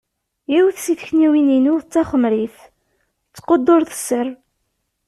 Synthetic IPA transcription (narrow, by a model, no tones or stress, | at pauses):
jiwθsiθçniwininuθt͡sːɑχəmɾiθ | t͡sːqod̪ˤːoɾθə̥sːər